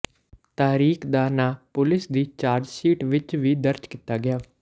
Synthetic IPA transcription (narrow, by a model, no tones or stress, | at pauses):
t̪aːɾiːkʰd̪aːnaːpʊlɪsd̪iːt͡ʃaːɾd͡ʒsiːʈʋɪt͡ʃʋiːd̪əɾt͡ʃkɪt̪aːɡɪjaː